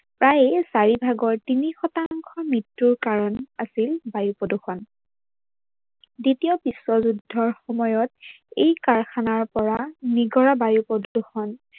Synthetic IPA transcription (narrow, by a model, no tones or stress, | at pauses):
pɹajsaɹibʱaɡɔɹtinixɔtaŋkʰɔmɹitːuɹkaɹɔnasilbajupɹɔduxɔn | ditijɔbiswɔzudʱːɔɹxɔmɔjɔt̚ | ejkaɹxʰanaɹpɔɹaniɡɔɹabajupɔduxɔn